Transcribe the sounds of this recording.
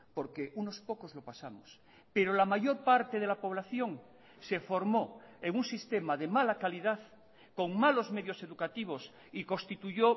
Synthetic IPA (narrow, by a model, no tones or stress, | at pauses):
po̞ɾkeʔuno̞spo̞ko̞zlo̞pasamos | peɾolamaʝo̞ɾpaɾt̪eð̞elapo̞βlaθjo̞ŋ | sefo̞ɾmoeŋunsist̪emaðemalakaliðaθ | ko̞ŋmalo̞zmeðjo̞se̞ðukat̪iβ̞o̞s | iko̞st̪it̪uʝo